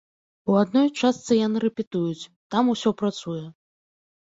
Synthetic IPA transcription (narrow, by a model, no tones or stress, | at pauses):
uad̪nɔjt͡ʂast̪sɨjanɨɾɛpʲɛt̪ujut͡sʲ | t̪amusʲɔpɾat̪sujɛ